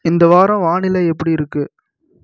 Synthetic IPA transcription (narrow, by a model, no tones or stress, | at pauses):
ɪnd̪ɐʋaːɾɐ̃ʋaːɳɪlɐɛpːɐɽiɪɾɯkːɯ